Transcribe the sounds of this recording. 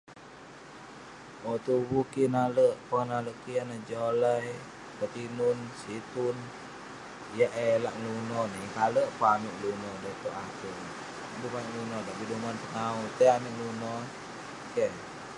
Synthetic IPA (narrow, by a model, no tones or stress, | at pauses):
ot̪ubukinaləʔpanaləʔkianəd͡ʒoləj | kət̪inunsit̪un | jaʔelaʔŋlunɔnikaləʔpaniʔlunɔdat̪oʔat̪un | bupaniʔlunɔt̪apidumanp̪əŋaut̪əanəʔlunɔ | kɛ